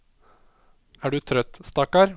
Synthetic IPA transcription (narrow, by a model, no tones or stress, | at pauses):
æːɖʉːt̪ʰɾœt̪st̪ɑkɑɾ